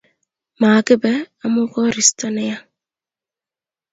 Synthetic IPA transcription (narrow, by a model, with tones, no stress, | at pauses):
maː˨kɪ˦bɛ˦a˦mʊ˦kɔ˦ɾi˨stɔ˦nɪ˦ja˦